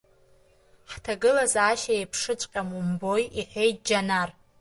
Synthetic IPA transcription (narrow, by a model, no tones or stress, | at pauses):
ħtʰaɡɨlazaʃaepʰʂɨt͡ʃʷʼqʲʼamumbo̞jiħʷᶣe̞jt̚ʼd͡ʒanar